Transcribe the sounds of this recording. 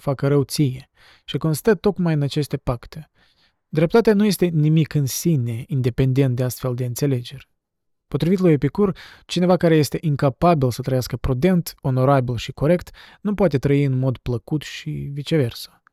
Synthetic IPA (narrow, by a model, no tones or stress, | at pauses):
fakəɾəwt̪sije | ʃiko̞nst̪ət̪o̞kmajɨnat͡ʃe̞st̪e̞pakt̪e̞ | d̪ɾep̚t̪at̪eanuje̞st̪e̞nimikɨnsine̞ind̪e̞pe̞nd̪e̞nt̪̚d̪east̪fe̞ld̪e̞ɨnt̪se̞le̞d͡ʒe̞rʲ | po̞t̪ɾivit̪lujepikurt͡ʃine̞vakaɾe̞je̞st̪e̞ʔiŋkapabilsət̪ɾəjaskəpɾud̪e̞nt̪o̞no̞ɾabilʃiko̞ɾe̞kt̪nupoat̪e̞t̪ɾəiɨnmo̞d̪pləkut̪ʃḭvit͡ʃe̞ve̞rsə̥